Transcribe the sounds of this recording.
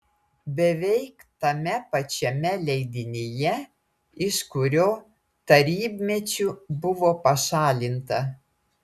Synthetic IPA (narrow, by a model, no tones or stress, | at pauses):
bʲɛʋʲɛɪkt̪ɐmʲɛpɐt͡ʃʲɛmʲɛlʲɛɪd̪ʲɪnʲejɛ | ɪʃkʊɾʲoː | t̪ɐɾʲiːbʲmʲɛt͡ʃʲubʊʋoːpɐʃɑːlʲɪnt̪ɐ